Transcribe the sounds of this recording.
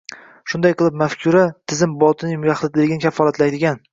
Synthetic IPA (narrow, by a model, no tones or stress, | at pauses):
ʃʊnd̪ajqɨlˠɪp̚mafkʲʰʊɾat̪ʰɪzɪmbɒlˠt̪ʰɪnɪmʊjʲaχlˠɪd̪ɪlɪɡʲɪnɪkʲʰafːɒlˠat̪lajd̪ɪɡʲan